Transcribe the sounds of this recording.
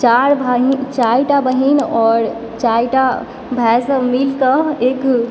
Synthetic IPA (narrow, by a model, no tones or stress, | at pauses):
t͡ʃaɾbʱaɦit͡ʃajʈabəɦinɔːɾ | t͡ʃajʈa | bʱɛsəmilkəek